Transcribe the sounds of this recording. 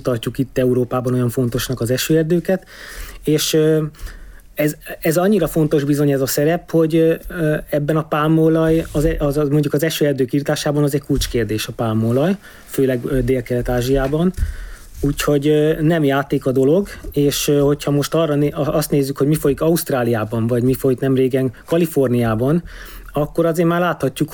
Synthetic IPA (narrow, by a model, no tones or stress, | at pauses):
t̪ɒrcːukit̪ːɛuɾoːpaːbɒno̞jɒɱfo̞nt̪o̞ʃnɒkɒzɛʃøːɛrd̪øːkɛt̪eːʃø | ɛzɛzɒɲːiɾɒfo̞nt̪o̞ʒbizo̞ɲɛzɒsɛɾɛpho̞ɟ | ɛbːɛnɒpaːmolɒjɒzɛɒmo̞ɲɟukɒzɛʃøːɛrd̪øːkiːrt̪aːʃaːbɒnɒzɛckult͡ʃkeːrd̪eːʃɒpaːmːolɒj | føːlɛɡd̪eːlkɛlɛt̪aːʒijaːbɒn | uːcho̞ɟnɛmjaːt̪eːkɒd̪o̞lo̞ɡeːʃho̞chɒmo̞ʃt̪ɒrːɒnɒst̪neːzːykho̞ɟmifo̞jikɒust̪raːlijaːbɒɱvɒɟmifo̞jiknɛmreːɡɛŋkɒlifo̞rnijaːbɒn | ɒkːo̞ɾɒzeːrmaːrlaːt̪hɒcːuk